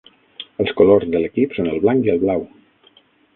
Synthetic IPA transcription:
əlˠskolozðələkipsonəlˠβlaŋkiəlˠβlaw

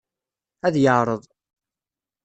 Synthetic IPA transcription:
æðjəʕɾˤəðˤ

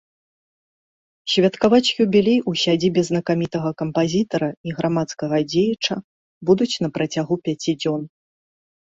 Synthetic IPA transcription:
sʲvʲɐt̪kavat͡sʲjubʲilʲejusʲad͡zʲibʲɛznɐkamʲit̪ɐɣɐkɐmpazʲit̪ɐɾɐiɣɾamat̪skɐɣɐd͡zʲejɐt͡ʂɐ | bud̪ut͡sʲnɐpɾɐt͡sʲaɣupʲat͡sʲid͡zʲɔn

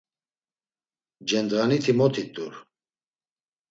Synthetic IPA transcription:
d͡ʒɛnd̪ʁanit̪ʰimɔt̪ʰit̪ʼuɾ

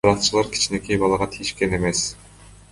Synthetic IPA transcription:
ɾɑqt͡ʃɯlˠɑɾkʲʰi̥t͡ʃne̞kejbɑlˠɑʁɑt̪ʰijiʃke̞ne̞me̞s

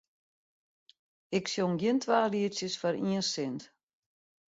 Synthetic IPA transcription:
ɪksjoŋɡjɪntʰʋaːliəsjəsfaɾiənsɪnt

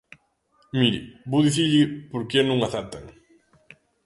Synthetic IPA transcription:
miɾḭbowðiθiɾʎɪpoɾkenũŋaθaɾt̪aŋ

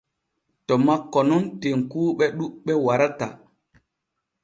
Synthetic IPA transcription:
tɔmakːɔnunteŋkuːɓɛɗuɓɛwaɾata

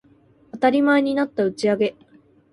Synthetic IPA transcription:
at̪aɾʲimae̞ɲ̟inat̪ːaɯ̟t͡ɕiaɡe̞

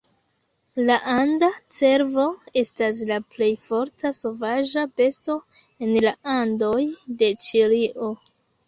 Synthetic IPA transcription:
laʔandat͡se̞ɾvo̞e̞stas̬laple̞jfo̞ɾtʰaso̞vaʒape̞sto̞e̞nlaandojde̞t͡ʃiɾiʔo̞

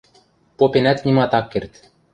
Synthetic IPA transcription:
popenæt̪nʲimɑt̪ɑkːert̪

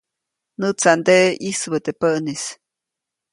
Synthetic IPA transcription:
nɨt͡sand̪eʔisbət̪epənis

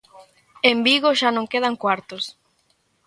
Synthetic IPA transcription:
embiɣoʃanõŋkeð̞aŋkwaɾt̪os

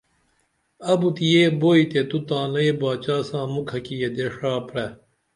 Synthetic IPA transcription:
ɐbut̪ijeːboːit̪et̪ut̪ãːlɐebaːt͡ɕaːsãːmukʰɐkijed̪eʂaːpɽɐ

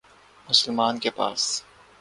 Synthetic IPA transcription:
mʊsəlmaːnkepa̰ːs

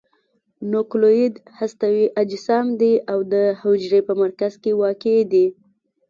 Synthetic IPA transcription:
nʊkloid̪hast̪awiʔad͡ʒɪsɑmd̪eawd̪əhod͡ʒɾepəmaɾkazkewɑked̪i

